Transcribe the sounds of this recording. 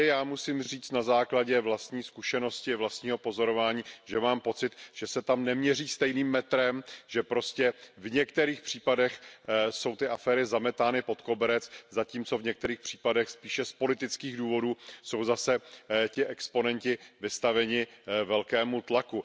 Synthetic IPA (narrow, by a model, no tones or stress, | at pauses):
jaːmusiːmriːt͡st̪nazaːklaɟɛvlast̪ɲiːskuʃɛno̞scɪvlast̪ɲiːɦo̞po̞zo̞ɾo̞vaːɲiːʒɛmaːmpo̞t͡sɪt̪ʒ̥ɛsɛt̪amnɛmɲɛriːst̪ɛjniːmːɛt̪ɾɛmʒɛpɾo̞scɛvɲɛk̚t̪ɛɾiːxpr̝̥iːpadɛxso̞wt̪ɪʔafɛːɾɪzamɛt̪aːnɪpo̞t̪ko̞bɛɾɛt͡szaciːmt͡so̞vɲɛk̚t̪ɛɾiːxpr̝̥iːpadɛxspiːʃɛspo̞lɪt̪ɪt͡skiːɣduːvo̞duːso̞wzasɛcɪʔɛkspo̞nɛɲcɪvɪst̪avɛɲɪvɛlkɛːmut̪laku